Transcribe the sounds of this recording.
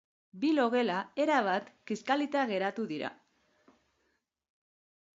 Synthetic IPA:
bilo̞ɣe̞lae̞ɾaβ̞at̪kiskalit̪aɣe̞ɾat̪uðiɾa̰

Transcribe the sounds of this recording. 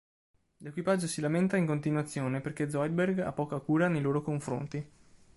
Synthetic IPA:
lekwipad͡ʒːosilament̪aiŋkont̪inwat̪sːjoːneperked̪zɔjd̪̚berɡa̰pːɔːkakuːɾanejloːɾokoɱfɾo̰nt̪i

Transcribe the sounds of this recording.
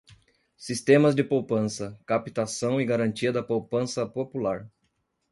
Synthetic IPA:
sist̪ẽmɐzd͡ʒɪpowpɐ̃sɐkapit̪asɐ̃w̃ɪɡaɾɐ̃nt͡ʃiɐd̪ɐpowpɐ̃sɐpopulaɾ

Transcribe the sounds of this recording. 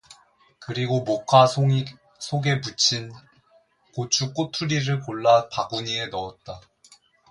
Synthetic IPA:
kɯɾiɡomokʰa | sʰoɡe̞put͡ɕʰin | kot͡ɕʰuk͈otʰuɾiɾɯɭkoɭːapaɡuɲie̞nʌʌt̚t͈a

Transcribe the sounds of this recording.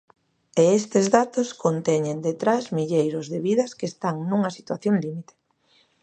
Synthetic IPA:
eest̪ezðat̪oskont̪ɛɲend̪et̪ɾazmiʎejɾʊzðeβiðɐskeːst̪aŋnuŋɐsi̥t̪waθjoŋlimit̪e̥

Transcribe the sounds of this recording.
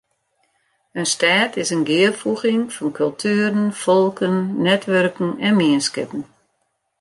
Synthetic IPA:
ənstaːtɪsənɡɪərfuɣɪŋfɔnkʰɵlˠtʰyːɾən̩fɔlˠkʰənːɛtʋørkŋ̩ɛnmiənskɪpn̩

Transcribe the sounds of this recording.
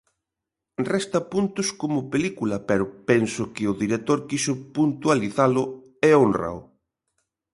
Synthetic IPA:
rɛst̪ɐpunt̪ʊskomʊpelikulɐpɛɾʊpɛnsʊkɪʊðiɾet̪oɾkisʊpunt̪ualiθalʊ | ɛonra̰w

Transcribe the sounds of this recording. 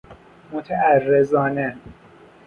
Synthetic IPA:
mot̪ʰæærːezɒːnæ

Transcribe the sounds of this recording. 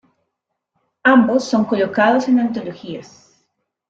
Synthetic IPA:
ambo̞sːo̞ŋko̞lo̞kaðo̞se̞nant̪̬o̞loxias

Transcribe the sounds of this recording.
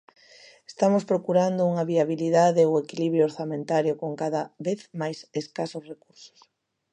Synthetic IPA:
e̥st̪amospɾokuɾand̪ouŋɐβiaβ̞iliðaðeoekiliβɾjooɾθamẽnt̪aɾjokoŋkaðaβeθmajseskasʊsrekuɾso̥s

